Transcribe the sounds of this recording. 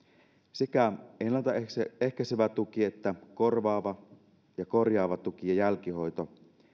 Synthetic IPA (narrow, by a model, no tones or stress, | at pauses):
sekæʔenlːænt̪ɑeehkæseʋæt̪ukiet̪ːækorʋɑːʋɑ | jɑkorjɑːʋɑt̪ukijɑjælkihojt̪o